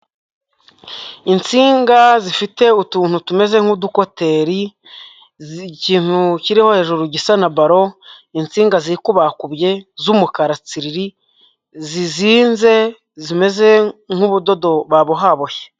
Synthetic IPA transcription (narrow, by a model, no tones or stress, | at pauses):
int͡siːŋɡazifite̞utuːn̥hutume̞ze̞ŋ̥huduko̞te̞ɾi | ciːn̥huciɾiho̞he̞ːʒuɾuɟisanabaɾo̞int͡siːŋɡaziɾikuβahakubɟe̞zumukaɾat͡siɾiɾi | ziziːnze̞ | zime̞ze̞ŋ̥uβudo̞do̞βaβoɦaβoje̥